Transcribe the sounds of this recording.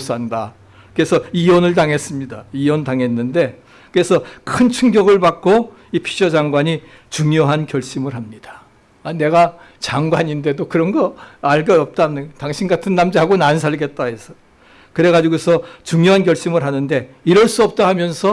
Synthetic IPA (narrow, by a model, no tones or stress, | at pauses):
s͈anda | kɯɾe̞sʰʌiwʌnɯɭtaŋɦe̞s͈ɯmɲidaiwʌntaŋe̞nːɯnde̞ | kɯɾe̞sʰʌkʰɯnt͡ɕʰuŋɡjʌɡɯɭbak͈̚o | ipʰi̥ɕʰʌd͡ʑaŋɡwaɲi | t͡ɕuŋjoɦankjʌɭɕ͈imɯɾɦamɲid̥ḁ | ane̞ɡa | t͡ɕaŋɡwaɲinde̞dokɯɾʌnɡʌaɭɡʌʌp̚t͈amnɯtaŋɕʰinɡatʰɯnːamd͡ʑiɦaɡonans̬ʰaɭɡe̞t̚t͈aesʰʌ̥ | kɯɾe̞ɣad͡ʑiɡosʰʌt͡ɕuŋjoɦanɡjʌɭɕ͈imɯɭɦanɯnde̞iɾʌɭs͈uʌp̚t͈aɦamjʌnsʰʌ